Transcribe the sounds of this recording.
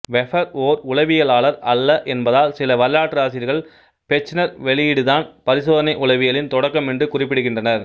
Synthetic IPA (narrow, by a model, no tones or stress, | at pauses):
ʋɛfɐɾoːɾʊlɐʋɪjɐɭaːɭɐɾɐlːɐʔɛnbɐðaːlsɪlɐʋɐɾlaːʈːɯaːsɪɾɣɐɭ | pɛt͡ʃːɪnɐɾʋɛɭɪjɪɽɯðaːnpɐɾɪsoːðɐnɐɪʔʊlɐʋɪjɐlɪnt̪ɔɽɐkːɐmɛndrɯkʊrɪp̬ːɪɽɯɣɪndrɐnɐɾ